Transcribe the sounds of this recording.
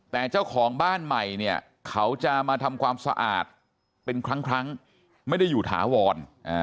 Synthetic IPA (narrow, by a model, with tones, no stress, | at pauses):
t̪ɛː˨˩t͡ɕaː˥˩wkʰɔː˩˦ŋbaː˥˩nma˨˩jni˥˩ɐ | kʰa˦˥wt͡ɕa˨˩maː˧t̪ʰa˧mkʰwaː˧msa̰˧ʔa̰ː˨˩t̪̚ | pe˧nkʰɾa˦˥ŋkʰɾa˦˥ŋ | ma˥˩jda˥˩jːuː˨˩t̪ʰa̰ː˩˦wɔː˧nʔaː˧˩